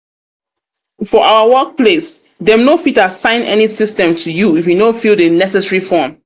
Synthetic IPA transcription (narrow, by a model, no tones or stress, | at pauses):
fɔʔaʊəwɜk̚ples | dɛ̃mnofitasãɪ̃nɛ̰nisɪstɛ̃mtʰujuifjunõfilˠdənɛsɛsəɹifɔm